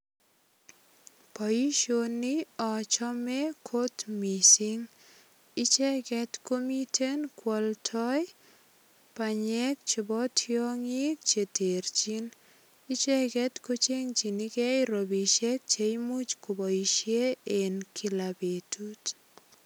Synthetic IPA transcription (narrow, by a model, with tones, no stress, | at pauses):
pɔ˨ji˦ʃonɪ˦ɔ˨t͡ʃɔ˦mɛkʰo˦tmisi˦ŋ | ɪ˦t͡ʃɛ˦ɡɛ˦tko˦mi˦tʰe˦nkwɔ˨ltʰɔ˦j | paɲɛ˦k̚t͡ʃe˨bɔ˦tʰjo˦ŋɪ˦k̚t͡ʃe˨te˨ɾt͡ʃi˦n | ɪ˦t͡ʃɛ˦ɡɛ˦tko˦t͡ʃe˦ŋt͡ʃi˨ni˦kɛ˦ɾo˨bi˨t͡ʃɛ˦k̚t͡ʃe˨jmu˦t͡ʃko˨bɔ˨i˨ʃje˦e˨nkʰi˨la˨be˨tu˦t